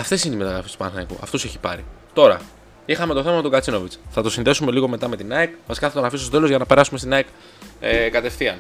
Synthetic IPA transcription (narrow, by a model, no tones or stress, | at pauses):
ɐft̪e̞sineime̞t̪ɐɣɾɐfest̪u̥pɐnxnɐikṵɐ̰ft̪ose̞çi̥pɐ̰ɾḭt̪o̞ɾɐ̰ | ixɐme̞t̪o̞θe̞mɐmet̪oɡɐt͡sino̞vit͡sθɐt̪o̞sinðe̞sume̞liɣo̞me̞t̪ɐme̞t̪inɐekvɐsi̥kɐθɐt̪onɐfisst̪ot̪e̞lo̞zʝɐnɐpe̞ɾɐsume̞st̪inɐek | ekɐt̪e̞fθiɐn